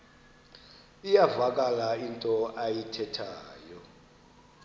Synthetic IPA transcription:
ijavak̬ʼalaintʼɔajitʰɛtʰaːjɔ

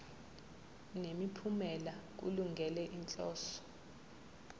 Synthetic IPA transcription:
nemipʰumɛlak̬ṵluŋɡʱɛlɛʔint͡ɬʼɔːsɔ̥

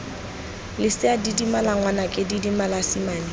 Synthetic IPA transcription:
lɪsɪadidimalaŋwanakʼɪdidimalasimaːni

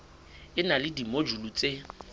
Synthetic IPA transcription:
ɪnalɪdimod͡ʒulut͡sʼe

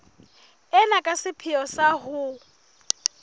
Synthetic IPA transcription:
ɛnakʼasɪpʰɪɔsaɦʊ

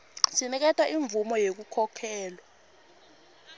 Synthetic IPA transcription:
sinik̬ɛtʰwaʔiɱb̪vumɔjek̬ukʰɔkʰɛːlwa

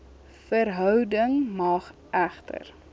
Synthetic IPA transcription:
fərɦœwdəŋmɑːχʔæχtə̰r

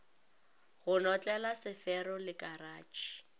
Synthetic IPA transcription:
ɣʊnɔt͡ɬʼɛlasɪfɛɾɔlɪkʼaraːt͡ʃi̥

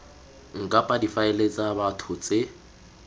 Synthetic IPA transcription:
ŋ̩kʼapʼadifaɪlet͡sʼabatʰʊt͡sʼe

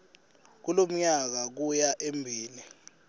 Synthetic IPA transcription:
k̬ulom̩ɲak̬ak̬ujaʔembʱiːni

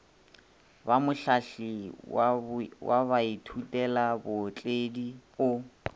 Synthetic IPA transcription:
bamʊɬaɬɪ | wʔaβaitʰutʼɛlabʊt͡ɬʼediʊ

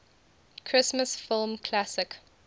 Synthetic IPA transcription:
kʰɹ̥ɪsməsfɪlˠmkʰlasɪk

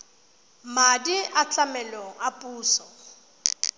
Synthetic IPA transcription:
madiʔat͡ɬʼamɛloŋ̩apʼuːsɔ

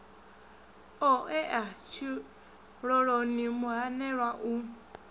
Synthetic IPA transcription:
oeʔat͡ʃi | ɾoɾonimuaneɾaʔu

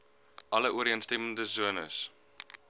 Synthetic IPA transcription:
ʔɐləʔuəɾiənstɛməndəzuənəs

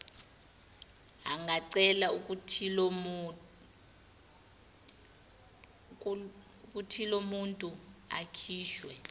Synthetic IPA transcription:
aŋɡʱaǀɛlauk̬ʼutʰi | ukʼutʰilomuntʼua̰kʰiːʃwɛ

